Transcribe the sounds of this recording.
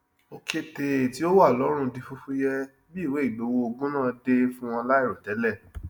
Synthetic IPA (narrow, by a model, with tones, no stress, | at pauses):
o˧ke˧te˨ti˨˦o˦wa˦˨lɔ˨˦ɾ̃ũ˧di˧fu˧fu˦jɛ˦ | bi˦˨we˨˦i˦˨bo˨˦wo˧o˧ɡũ˦nã˦˨de˧fũ˦w̃ɔ̃˧la˦i˦˨ɾɔ˨tɛ˨˦lɛ˦˨